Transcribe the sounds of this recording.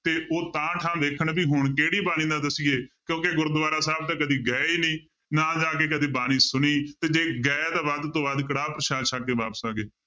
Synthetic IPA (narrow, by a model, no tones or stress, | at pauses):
t̪eːʔoːt̪ãːʈʰãːd̪eːkʰəɳbiːɦʊɳkeːɽiːbaːnĩːd̪ãːd̪əsiːeːkjõːkeːɡʊɾd̪ʋaːɾaːsaːbt̪ẽːkəd̪iːɡɛːiːnĩː | nãːd͡ʒaːk̬eːkəd̪eːbaːnĩːsʊniːt̪eːd͡ʒeːɡɛːt̪aːʋaːd̪t̪õːbaːd̪kəɽaːpɾəʃaːʃaːkeːbaːpəsaːɡeː